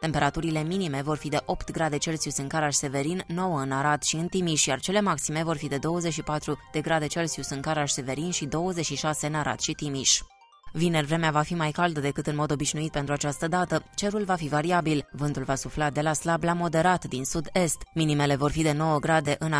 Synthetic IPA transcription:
t̪e̞mpe̞ɾat̪uɾile̞minime̞vo̞rfid̪e̞ʔo̞pt̪ɡɾad̪e̞t͡ʃe̞lsiusɨŋkaɾaʃse̞ve̞ɾinːo̞wəɨnaɾad̪ʃiɨnt̪imiʃjart͡ʃe̞le̞maksime̞vo̞rfid̪e̞d̪o̞wəze̞t͡ʃʃipat̪ɾud̪̥e̞ɡɾad̪e̞t͡ʃe̞lsiusɨŋkaɾaʃse̞ve̞ɾinʃid̪o̞wəzet͡ʃʃiʃase̞ɨnaɾa̰t̪ʃit̪imiʃ | vinervɾe̞meavafimajkald̪əd̪e̞kɨt̪ɨnmo̞d̪o̞biʃnuit̪̚pent̪ɾuat͡ʃast̪əd̪at̪ət͡ʃe̞ɾulvafivaɾiabilvɨnt̪ulvasuflad̪e̞laslablamo̞d̪e̞ɾat̪d̪insud̪e̞st̪minime̞le̞vo̞rfid̪e̞no̞wəɡɾad̪e̞ʔɨn

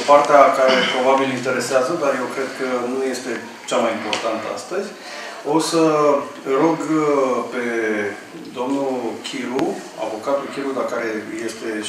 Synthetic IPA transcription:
part̪eakaɾe̞pɾo̞babilint̪e̞ɾe̞seazəd̪arje̞wkɾe̞d̪kənuje̞st̪e̞ | t͡ʃamajimpo̞rt̪ant̪əa̰st̪əzʲ | o̞sə | ro̞ɡpe̞ | d̪o̞mnukʲʰilu | a̰vo̞kat̪ulkʲilud̪akaɾe̞je̞st̪e̞

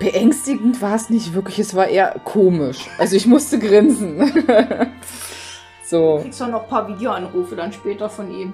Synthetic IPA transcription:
b̥əʔɛŋstɪɡŋ̩tv̥aːɐsnɪçtv̥ɪɐklɪçɛsv̥aːɐʔeːɐ̰kʰoːmɪʃʔʔalzoɪçmʊstəɡʁɪnsn̩ | z̥o̥ːisd̥anɔχpʰaːɐviːdjoʔanʁuːfədanʃpɛːtɐfɔnʔiːm

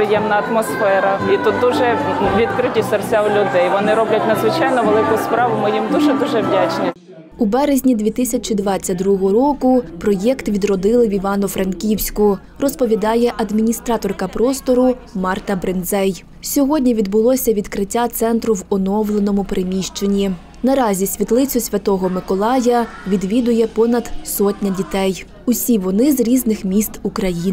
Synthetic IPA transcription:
ɾɪjɛmnɐɐt̪mɔsfɛɾɐit̪ut̪̚d̪uʒɛ | ʋʲid̪kɾɪtʲisɐrt͡sʲawlʲʊd̪ɛjʋɔnɪɾɔblʲɐtʲnɐd̪zʋɪt͡ʃɑjnɔʋelˠɪkʊspɾɑʋʊmɪjimd̪uʒɛd̪uʒɛʋdʲat͡ʃnʲi | ubɛɾezʲnʲid̪ʲʋʲit̪ɪsʲɐt͡ʃid̪ʋɑt͡sʲːɐd̪ɾuɔɦɔɦɔɾɔkʊpɾɔjɛkt̪ʋʲid̪ɾɔd̪ɪlˠɪʋʲiʋɑnʊfɾɐnkʲiwsʲkʊ | rɔspɔʋʲid̪ɑjɛʔɐd̪mʲinʲist̪ɾɑt̪ɔrkɐpɾɔst̪ɔɾʊ | mɑrt̪ɐbɾenzɛj | sʲɔɦɔdʲnʲiʋʲid̪bʊlˠɔsʲɐʋʲid̪kɾɪtʲːat̪sɛnt̪ɾʊʋɔnɔwlˠenɔmʊpɾɪmʲiʃt͡ʃe̞nʲːi | nɐɾɑzʲisʲʋʲit̪lˠɪt͡sʲʊsʲʋʲɐt̪ɔɦɔmɪkɔlˠɑjɐʋʲid̪ʋʲid̪ʊjɛpɔnɐd̪sɔtʲnʲɐdʲit̪ɛj | ʊsʲiʋɔnɪzɾʲiznɪxmʲist̪ukɾɐjin

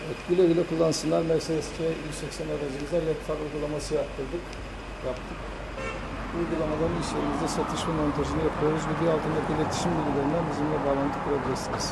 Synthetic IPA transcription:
ɛt̪ɟylʲøɡʲylʲɛkʰulˠːanɯsɯnlˠaɾmɛɾsed̪esi̥t͡ʃʰɛisɛksɛnøɾazɯmizd̪æɾlʲɛt̪faɾujɡulˠamasɯjap̚t̪ʰɯɾd̪ɯk | japt̪ʰɯk | ujɡulˠamad̪ˠaniʃlʲeɾimizd̪ɛsat̪ʰɯʃmamo̞nt̪ʰaʒɯnɯjapʰɯjo̞ɾuzbibiɾalˠt̪ʰɯnat̪ilʲet̪ʰi̥ʃimbilʲɟʲilʲeɾind̪ænbizimlʲɛbaːlˠant̪ʰɯpʰɾo̞ɡɾɛsiniz̥

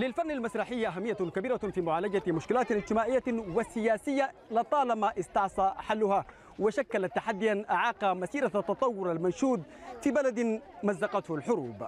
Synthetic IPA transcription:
lɪlfanːalmasɾˤɑːħɪjːʔaɦamːɪjːakabiːɾafiːmʊʕaːlad͡ʒamʊʃkɪlaːt̪nɪd͡ʒt̪ɪmaːʕɪjːawɪsɪjaːsɪjːalɪt̪ˤɑːlamaʔɪst̪ɑʕsˤɑħalːʊha | wɪʃakːalat̪ːaħad̪ːijanʔaʕɑːqɑmasiːɾat̪ːɑt̪ˤɑwːʊɾalmanʃuːd̪fiːbalad̪mazːɑqɑt̪hʊlħʊɾuːb

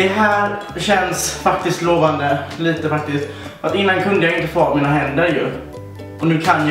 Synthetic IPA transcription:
ɛɦæːɾ | ɕɛnsfak̚t̪ɪst̪loːvand̪əliːt̪əfak̚t̪ɪst̪ | fat̪ɪnːankʰɵnd̪əjaːajɪnt̪əfoːɾmiːnaɦɛnd̪əɾjɵ | ʔɔnʉ̟ːkʰanj

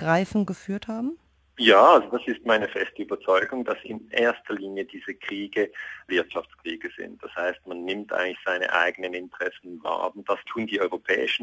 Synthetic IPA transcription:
ɡ̥ʁaɪfn̩ɡəfyːɐthaːbm̩ | jaːalzod̥asɪstmaɪnəfɛstəyːbɐt͡sɔʏɡʊŋdasɪ̰nʔeːɐstʰɐliːnjədiːzəkʁ̥iːɡəvɪɐtʃaft͡sskʁ̥iːɡəz̥ɪ̰nt̚d̥ashaɪstmanːɪmtʔa̰ɪɡŋ̩tlɪçz̥aɪnə̰ʔa̰ɪɡənənɪntə̥ʁ̥ɛsn̩va̰ːɐd̥astʰuːndiːɔʏʁopʰɛ̰ːɪʃn̩

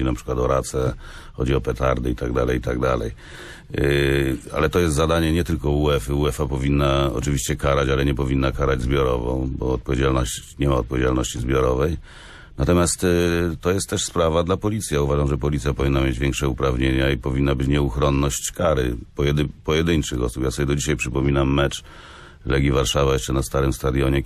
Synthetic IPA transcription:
inapʂɘ̥kwat̪ɔɾat̪sɛxɔd͡ʑiɔpʲɛt̪aɾd̪ɨit̪aɡ̚d̪alɛjit̪aɡd̪alɛ̰j | a̰lɛt̪ɔjɛst̪zad̪aɲɛɲɛt̪ɘlkɔuɛfɘuɛfapɔvʲinːaɔ̰t͡ʂɨvʲiɕt͡ɕɛkaɾat͡ɕalɛɲɛpɔvʲinːakaɾad͡ʑzbʲjɔɾɔvɔ̰̃bɔ̰ːt̪pɔvʲed͡ʑalnɔɕt͡ɕɲɛmaɔt̪pɔvʲjed͡ʑalnɔɕt͡ɕizbʲjɔɾɔvɛj | nat̪ɔmʲjast̪t̪ɔjɛst̪ːɛʂspɾavad̪lapɔlʲit̪sʲjauvaʐamʐɛpɔlʲit̪sʲjapɔvʲinːamʲjed͡ʑvʲjɛŋkʂɛupɾavɲeɲaipɔvʲinːabɘt͡ɕɲɛuxɾɔnːɔɕt͡ɕkaɾɘ̰pɔjɛd̪pɔjɛd̪ɘɲt͡ʂɘxɔsupjasɔbʲɛd̪ɔd͡ʑiɕajpʂɘpɔmʲinamːɛt͡ʂ | lɛɡʲivaɾʂavajɛʂt͡ʂɛnast̪aɾɘmst̪ad̪jɔɲɛ

